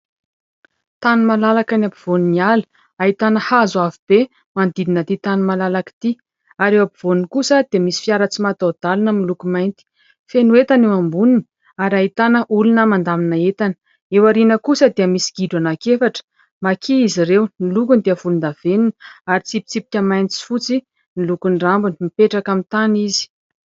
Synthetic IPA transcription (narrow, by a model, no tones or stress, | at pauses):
t̪anumalalakanapiv̥oninialə̥ | ait̪anəhazavib̥e | mand̪id̪inət̪it̪anumalalakt̪i | aɾewapiv̥onikusəd̪eəmisi̥fiaɾət͡simat̪awd̪̥alunəmilukumajnt̪i̥ | fenuet̪anewambunini̥ | aɾaɦit̪anəʔulunəmand̪aminaet̪anə̥ | ewaɾinəkusəd̪eəmisi̥ɡ̥iɖ͡ʐanakefaʈ͡ʂə̥ | makʰiiziɾewnilukund̪iəvulund̪av̥eninaɾit͡sipi̥t͡sipi̥kʲəmajnt͡si̥fut͡si | nilukuɳɖ͡ʐambunimipeʈ͡ʂakamit̪anizi̥